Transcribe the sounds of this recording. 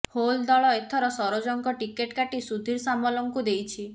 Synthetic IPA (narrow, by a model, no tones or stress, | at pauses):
hold̪ɔɭɔet̪ʰɔɾɔsɔɾod͡ʒɔŋkɔʈikeʈkaʈisud̪ʱiɾsamɔlɔŋkud̪ejt͡ʃʰi